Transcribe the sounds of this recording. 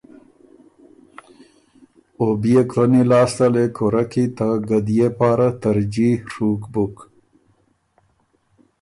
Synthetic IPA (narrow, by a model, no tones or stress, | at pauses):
obijekɾonilɑːst̪alekʰoɾakit̪aɡad̪ijepaːɾat̪ɐɾd͡ʒihɾukbuk